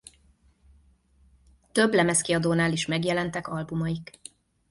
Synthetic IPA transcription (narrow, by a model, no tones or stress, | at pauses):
t̪ø̞blɛmɛskiɒd̪oːnaːleːʃmɛɡjɛlɛnt̪ɛkɒlbumɒjik